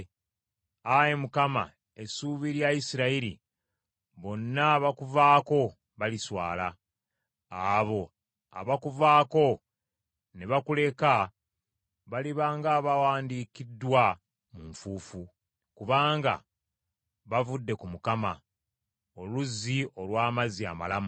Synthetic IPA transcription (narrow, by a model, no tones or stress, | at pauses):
ajemukama̰ | e̞suːβiɾjaisiɾaiɾḭ | βo̞nːaβakuvaːko̞ | βaliswa̰ːla̰ | aβo̞ | a̰βakuvaːko̞ | neβakule̞ka | βaliβaːŋɡaːβawaːndikidːwa | muɱfuːfu | kuβaːŋɡa̰ | βavudːe̞kumukama̰ | o̞luzːio̞lwaːmazia̰ma̰lamu